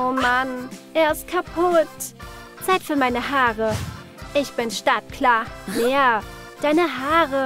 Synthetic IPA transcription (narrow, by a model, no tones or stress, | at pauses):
ʔoːmanʔeːɐɪst̚kʰapʰʊt | t͡saɪtfyːɐmaɪnəɦaːʁə | ʔɪçb̥ɪnʃtatkʰlaːleːɐ | d̥aɪnəɦaːʁə